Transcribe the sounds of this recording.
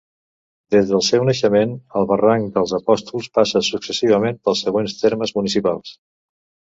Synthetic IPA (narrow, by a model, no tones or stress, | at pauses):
d̪ezðəlˠsɛwnəʃəmenəlˠβəraŋkd̪əlˠzəpɔst̪ulˠspasəsuksəsiβ̞əmenpəlˠsəɣ̞wenst̪eɾməzmunisipalˠs